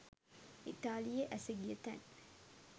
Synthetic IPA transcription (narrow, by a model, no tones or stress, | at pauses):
ʔit̪aːlijeʔæseɡiet̪æ̰n